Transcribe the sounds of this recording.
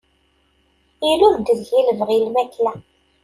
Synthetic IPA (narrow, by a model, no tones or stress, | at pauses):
ilunt̪əðʝiləvʁilmæklæ